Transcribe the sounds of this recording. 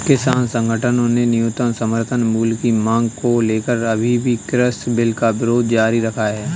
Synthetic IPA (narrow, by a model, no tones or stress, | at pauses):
kɪsaːnsə̃ŋɡʱəʈʰənõnenɪjʊt̪ənsəməɾt̪ʰənmuːlkimãːŋɡkoleːkəɾɐbʱibʱikɾəsbɪlkaʋɪɾoːd̪d͡ʒaːɾiɾɐkʰaɦɛː